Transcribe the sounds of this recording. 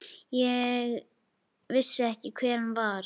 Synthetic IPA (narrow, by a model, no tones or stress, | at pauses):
jɛɣ | vɪsːʏɛhcɪkʰvɛːɾnvaɾ